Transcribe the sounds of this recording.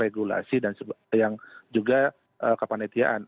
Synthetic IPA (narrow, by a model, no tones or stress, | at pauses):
eɡula̰sidansjaŋd͡ʒuɡa | ʔəkəpanet̪ia̰ʔan